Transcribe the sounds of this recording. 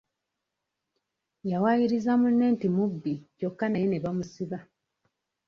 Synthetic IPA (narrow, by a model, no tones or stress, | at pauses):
jawajiɾizamunːe̞ːntimubːico̞kːanene̞βamusiβa